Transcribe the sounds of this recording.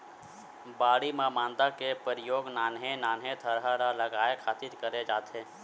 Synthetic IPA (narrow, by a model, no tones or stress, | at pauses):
baːɽimãmãːnd̪akepəɾɪjoːɡnaːnɦenaːnɦẽt̪ʰəɾɦaɾalɐɡaːekʰaːt̪iɾkəɾed͡ʒaːt̪ɦeː